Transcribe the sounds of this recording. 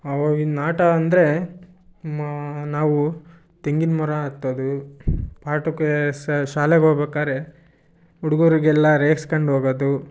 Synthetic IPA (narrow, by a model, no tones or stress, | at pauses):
ɐʋoːɡinaːʈɐːnd̪ɾe̞ | naːʋu | t̪eŋɡinmɔɾɐːt̪ːod̪upaːʈukːesʃaːleɡɦoɡbeːkaːɾe | uɽuɡoɾiɡɛlːɐɾeːkskɐɳɖɦoːɡoːd̪u